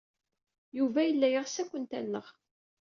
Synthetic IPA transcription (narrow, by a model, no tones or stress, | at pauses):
juvæjəlːæjəʁsækʷːənt̪æ̰nːəʁ